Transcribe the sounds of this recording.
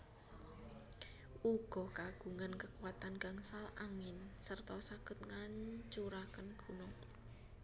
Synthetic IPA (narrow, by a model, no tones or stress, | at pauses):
ʔuɡ̥ɔkaɡ̥ṳŋankəkuat̪anɡ̥a̤ŋsalaŋɪnsərt̪ɔsakʊt̪̚ŋaɲt͡ʃuɾakənɡ̥ṳnɔŋ